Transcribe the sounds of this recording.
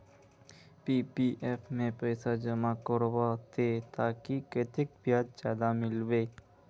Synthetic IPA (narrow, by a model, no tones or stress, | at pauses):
piːpiʔepmẽpəjsad͡ʒəmakəɾwat̪ʰet̪aːkiket̪ɪk̚bijaːt̪̚t͡ʃaːd̪amɪlʋeː